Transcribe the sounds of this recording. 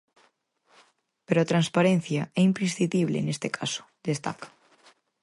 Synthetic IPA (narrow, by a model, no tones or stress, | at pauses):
peɾoat̪ɾanspaɾẽn̟θjaɛimpɾesθit̪iβ̞lḛnest̪ekʰaso̥d̪est̪a̰kḁ